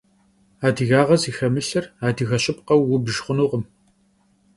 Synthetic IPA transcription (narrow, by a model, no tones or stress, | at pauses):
aːdiɣaːʁɐziːxɐmɨɬɐraːdiɣɐɕʼɪp̚qɐwːʊbɨʒχʷʊnuːʁəm